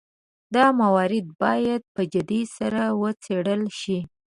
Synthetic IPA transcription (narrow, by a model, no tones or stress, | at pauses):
d̪ɑmawɑɾɪd̪̚bɑjad̪̚pəd͡ʒad̪isaɾawət͡seɽəlʃi